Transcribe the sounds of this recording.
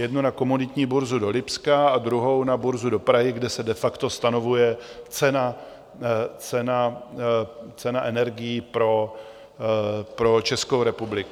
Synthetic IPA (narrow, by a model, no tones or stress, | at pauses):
jɛdnunako̞munɪt̪ɲiːbuɾzudo̞lɪpskaad̪ɾuɦo̞wnabuɾzudo̞pɾaɦɪɡdɛsɛdɛfakt̪o̞st̪ano̞vujɛt͡sɛna | t͡sɛna | t͡sɛnaʔɛnɛɾɡɪjipɾo̞ | pɾo̞t͡ʃɛskowɾɛpublɪku